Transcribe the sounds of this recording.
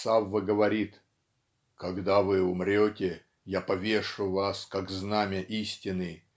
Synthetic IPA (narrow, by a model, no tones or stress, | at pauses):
savːəɡəvɐɾʲit̪ | kɐɡd̪avɨʊmɾʲotʲɪ | japɐvʲe̞ʂʊvaskakznamʲɪʔisʲtʲɪnɨ